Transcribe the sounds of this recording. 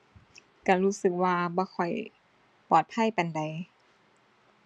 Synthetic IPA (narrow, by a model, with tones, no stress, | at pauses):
ka˧˩ɾuː˦˥sɯ˨˩k̚waː˧bɔː˧˦xʰɔ˨˩j | pɔː˨˩t̪̚pʰa˥˨jpa˨nda˨j